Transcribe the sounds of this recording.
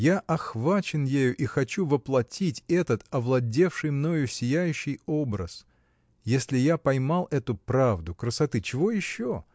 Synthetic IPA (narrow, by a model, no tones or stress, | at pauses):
jaʔɐxvat͡ɕɪnjejʊʔixɐt͡ɕuvəplˠɐtʲitʲɛt̪ət̪ɐvlˠɐdʲe̞fʂɨjmno̞jʊsʲɪjæjʉɕːɪjo̞bɾə̰s | jesʲlʲɪjapɐjmalˠɛt̪ʊpɾavd̪ʊkɾəsɐt̪ɨt͡ɕɪvo̞jɪɕːo